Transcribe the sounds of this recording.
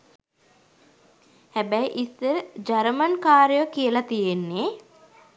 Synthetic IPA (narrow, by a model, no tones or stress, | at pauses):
hæbæjʔisːəɾəd͡ʒaɾəmənkaːɾjəəkijəlat̪ijenːe